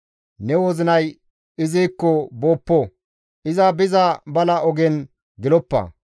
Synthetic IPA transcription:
nɛwɔzɪnɐj | ɪzijkːɔboːpːɔ | ʔɪzɐbɪzɐbɐlɐɔɡɛn | ɡɪlɔpːɐ̰

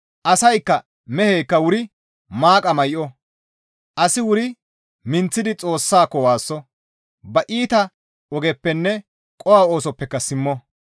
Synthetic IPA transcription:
ʔɐsɐjkːɐ | mɛhɛjkːɐwʊɾɪ | maːkʼɐmɐjʔɔ | ʔɐsɪwʊɾɪ | mɪnt͡sːɪd̪ɪt͡sʼo̞ːsːaːkːɔwaːsːɔ | bɐʔiːt̪ɐ | ɔɡɛpːɛnːɛ | kʼɔwaːo̞ːsɔpːɛkːɐsɪmːɔ

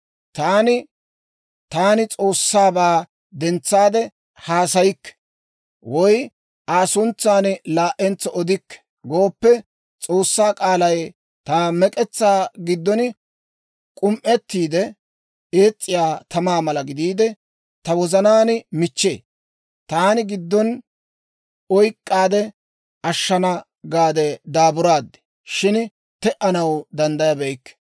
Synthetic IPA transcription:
t̪aːnɪ | t̪aːnɪt͡sʼoːsːaːbaː | d̪ɛnt͡sːaːd̪ɛ | haːsɐjɪkːɛ̥ | wɔj | ʔaːsʊnt͡sːaːnɪlaːʔɛnt͡sːɔɔd̪ɪkːɛ̥ | ɡo̞ːpːɛ | t͡sʼo̞ːsːaːkʼaːlɐj | t̪ɐmɛkʼɛt͡sːaːɡɪd̪ːɔnɪ | kʼʊmʔɛt̪ːiːd̪ɛ | eːt͡sʼːɪjaːt̪ʰɐmaːmɐlɐɡɪd̪iːd̪ɛ | t̪ɐwɔzɐnaːnɪmɪt͡ʃːeː | t̪aːnɪɡɪd̪ːɔn | ɔjkʼːaːd̪ɛ | ɐʃːɐnɐ | ɡaːd̪ɛd̪aːbʊɾaːd̪ːɛ̥ | ʃɪn | t̪ɛʔɐnɐwd̪ɐnd̪ɐjɐbɛjkːɛ̥

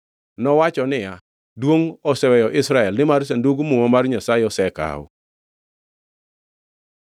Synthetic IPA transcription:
nɔwat͡ʃɔnɪja | dwoŋɔsɛwɛjɔʔɪsɾaɛlnɪmars̬enduɡmʊŋɔmarɲasaɪɔsɛka̰ɔ̰

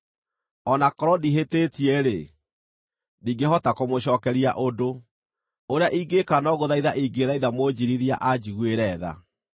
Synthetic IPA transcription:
ɔnakɔɾɔdiɦetetiɛɾḛ | niːɡeɦɔtakomoɕɔːkɛɾia̰ʔodo | oɾeaʔiɡekanɔɣoðaiðaʔiɡeðaiðamod͡ʑiɾiðia̰ʔad͡ʑiɣweɾɛːða̰

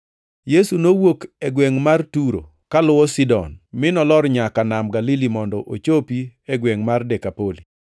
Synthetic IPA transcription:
jesunowokɛɡwɛŋmartuɾo̰ | kalʊwɔsidɔ̰nmɪnɔlɔɾɲakanamɡalilimɔndɔʔot͡ʃopiɛɡwɛŋmardɛkapoli

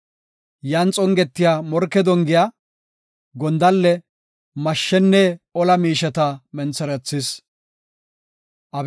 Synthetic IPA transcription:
jɐnt͡sʼɔŋɡɛt̪ːɪjaːmɔɾkːɛd̪ɔŋɡɪja | ɡɔnd̪ɐlːɛ | mɐʃːɛnːɛɔlɐmiːʃɐt̪ɐmɛnt͡sːɛɾɛt͡sːɪs | ʔɐb

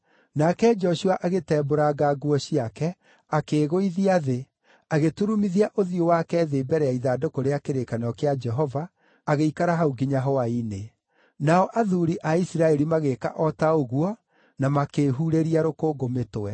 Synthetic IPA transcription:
nakɛd͡ʒɔɕuaʔaɣetɛːboɾaɡaɡuɔɕiakɛ | akeːɣoiðiaðe | aɣetuɾumiðiaʔoðiowakɛðebɛɾɛaiðaːdokoɾeakeɾekanɔkead͡ʒɛɦɔvaː | ɣeikaɾaɦauɡiɲaɦɔaine | naɔʔaðuɾiʔaisiɾaɛɾimaɣeka̰ʔɔtaoɣuɔ | namakeːɦuɾeɾiaɾokoːɡometowɛ

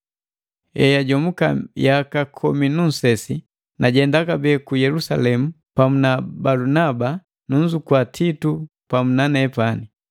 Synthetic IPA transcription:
ɛjaɟɔmuka̰jakakʰɔminun̩sɛsi | naɟɛndakabɛːkujɛlusalɛmu | pamunabalunaba | nuɲ̩d͡ʒukwatʰitu | pamunanɛpani

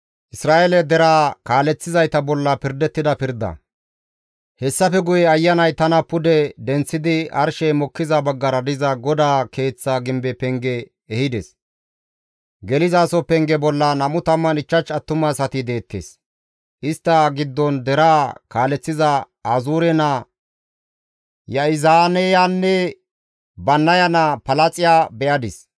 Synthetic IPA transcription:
ʔɪsɾaːʔelɛd̪ɛɾaːkaːlɛt͡sːɪzɐjt̪ɐbɔlːɐpɪɾd̪ɛt̪ːɪd̪ɐpɪɾd̪ɐ̰ | hɛsːɐfɛɡʊjɛɐjːɐnɐjt̪ɐnɐpʊd̪ɛd̪ɛnt͡sːɪd̪ɪɐ̰ɾʃɛjmɔkːɪzɐbɐɡːɐɾɐd̪ɪzɐɡɔd̪aːke̞ːt͡sːaɡɪmbɛpɛŋɡɛː | hɪd̪ɛs | ɡɛlɪzaːsɔpɛŋɡɛbɔlːɐnɐmʊt̪ɐmːɐnɪt͡ʃːɐt͡ʃːɐt̪ːʊmɐsɐt̪ɪd̪e̞ːt̪ːḛːs | ʔɪst̪ːɐɡɪd̪ːɔnd̪ɛɾaːkaːlɛt͡sːɪzɐ | ɐzuːɾɛnɐ | jɐɪzaːnɛjanːɛ | bɐnːɐjɐnɐpɐlɐt͡sʼɪjaːbɛʔɐd̪ɪs

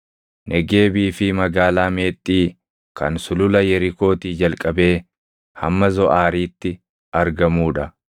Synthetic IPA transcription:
nʔɛɡe̞ːbiːfɪmɐɡaːlaːme̞ːt̪ʼːiː | kɐ̰nsʊlʊlɐjɛɾɪko̞ːt̪iːd͡ʒɐlkʼɐbe̞ː | hɐ̰mːɐzɔʔaːɾiːt̪ːɪ | ɐɾɡɐmuːᶑɐ

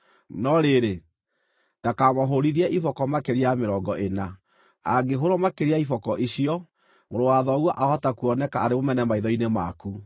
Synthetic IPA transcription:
nɔɾeɾe | ndakamɔɦoɾiðiɛʔifɔkɔmakeɾeameɾɔɡɔʔena | a̰ɡeɦoɾɔmakeɾeaifɔkɔʔiɕiɔ | ŋoɾowaðɔɣwɔʔahɔtakuɔnɛkaːɾemomɛnɛmaiðɔinema̰ku

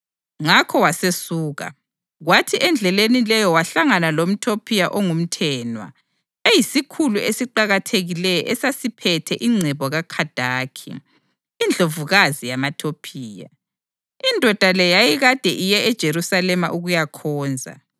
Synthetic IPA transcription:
ŋakʰɔwasesuːɣa̰ | ɣwatʰiʔɛnd͡ɮʱɛlenilɛjɔwaɬaŋanalom̩tʰopʰijaʔɔŋum̩tʰɛːnwa̰ | ejisikʰuluesiǃaɣatʰeɣilɛjɔ̰ʔɛsasipʰɛtʰɛʔiŋ͡ǀʱɛβɔɣakʰad̥ʱaːkʰḭː | nd͡ɮʱovuɣazijamatʰopʰiːja̰ | indʱɔd̥ʱalɛjajiɣad̥ʱɛʔijɛɛd̥ʒ̥ʱeɾusalɛmaʔuɣujakʰɔːnd͡zʱa̰

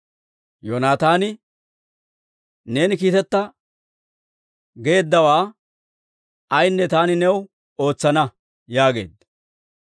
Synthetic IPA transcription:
joːnaːt̪aːnɪ | ne̞ːnɪkiːt̪ɛt̪ːɐ | ɡe̞ːd̪ːɐwaː | ɐjnːɛt̪aːnɪnɛw | o̞ːt͡sːɐnɐ | jaːɡe̞̰ːd̪ɐ

